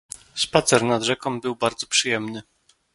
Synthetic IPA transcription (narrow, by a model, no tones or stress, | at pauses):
spat̪sɛɾnad̪ʐɛkɔmbɘwbaɾd̪zɔpʂɘjɛmnɘ